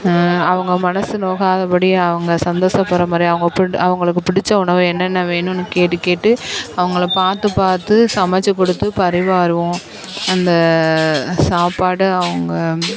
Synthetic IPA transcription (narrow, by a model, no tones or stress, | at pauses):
ɐʋɐŋɡɐmɐnɐsɯnoːkaːðɐpɐɽiɐʋɐŋɡɐsɐnd̪oːsɐpːɐɾɐmaːd̪ɾiɐʋɐŋɡɐpɪɐʋɐŋɡɐɭɯk̬ːɯpɪɽɪt͡ʃːɐʊɳɐʋɯ̃ɛnːɐnːɐʋeːɳʊ̃nːɯkeːʈːɯkeːʈːɯɐʋɐŋɡɐɭpaːɾt̪ɯpaːɾt̪ɯsɐmɐt͡ʃːɐkːɔɽɯt̪ːɯpɐɾɪʋaːɾɯʋʊ̃ | ɐnd̪ɐ | saːpaːɽɯɐʋɐŋɡɐ